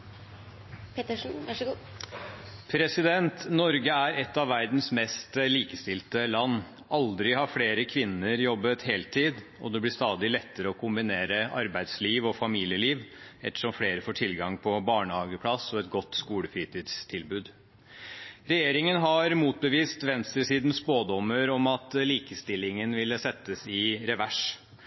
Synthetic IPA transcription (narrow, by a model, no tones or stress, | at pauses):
pt̪ | pʰɾɛsɪd̪ɛnt̪nɔɾɡəæɾɛt̪ːɑʋːæɾd̪n̩smɛst̪liːkəst̪ɪlt̪əlɑnː | ʔɑld̪ɾɪhɑɾfleːɾəkʰʋɪnːəɾjɔbːət̪heːlt̪ʰiːd̪ | ɔ̰d̪ɛblɪst̪ɑːd̪ɪlɛt̪ːəɾəɔkʰʊmbɪneːɾəɑɾbæɪd̪sliːʋɔfɑmiːlɪjəliːʋɛt̪ːə̥ʂɔmfɽeːɾəfoːʈʰɪlɡɑŋpʰɔbɑːɳəhɑːɡəpʰlɑsɔɛt̪ɡɔt̪ːskuːləfiːt̪ʰiːd̪st̪ʰɪlbʉːd̪ | ɾɛjeːɾɪŋənɦɑɾmuːt̪̚bəʋiːst̪ʋɛnst̪ɾəsiːd̪n̩spoːd̪ɔmːəɾɔmɑt̪liːkəst̪ɪlːɪŋənʋɪlːəsɛt̪ːəsɪɾɛʋæʂ